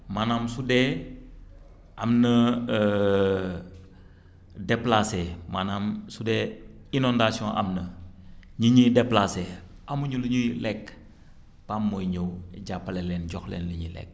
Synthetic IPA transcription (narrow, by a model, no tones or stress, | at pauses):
manamsude | ʔamnə | deplasemanamsude | inondasiõʔa̰mnə | ɲiɲideplase | ʔamuɲuliɲulɛk | pamːojɲowɟapːalelɛːnɟɔxlḛnliɲilɛ̰k̚